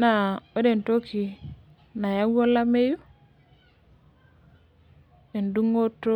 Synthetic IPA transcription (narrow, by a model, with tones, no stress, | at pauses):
na˨o˦de˨nto˦ki˨ | na˨ja˦wo˦la˦me˦ju˦ | e˨ndu˦ŋo˦to˦